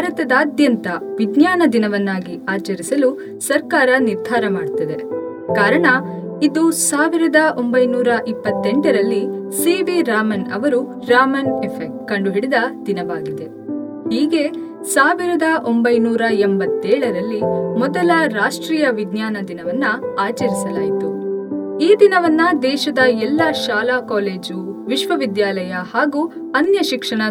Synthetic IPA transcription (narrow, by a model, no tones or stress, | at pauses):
bʱaɾɐt̪ɐd̪aːd̪jɐnt̪ɐʋid̪naːnɐd̪inɐʋɐnːaːɡiaːt͡ʃɐɾisɐlu | sɐɾkaːɾɐniɾd̪ʱaːɾɐmaːɽt̪ːɐd̪e̞̰ | kaːɾɐɳɐ | id̪usaːʋiɾɐd̪ɐʔo̞mbɐjnuːɾɐʔipːɐt̪ːeɳʈɐɾɐlːisiʋiɾaːmɐnɐ̰ʋɐɾu | ɾaːmɐnepʰek̚ʈkɐɳɖuɦiɽid̪ɐd̪̥inɐʋaːɡid̪e̞ | hiːɡe̞ | saːʋiɾɐd̪ɐʔo̞mbɐjnuːɾɐembɐt̪ːɛːɭɐɾɐlːimɔd̪ɐlɐɾaːʂʈɾiːjɐʋid̪ɲjaːnɐd̪inɐʋɐnːɐaːt͡ʃɐɾisɐlaːjit̪u | iːd̪inɐʋɐnːɐd̪ɛːʃɐd̪ɐɛlːɐʃaːlaːkaːleːd͡ʒuʋiʃʋɐʋid̪jaːlɐjɐhaːɡuː | ɐnjɐʃikʂɐɳɐ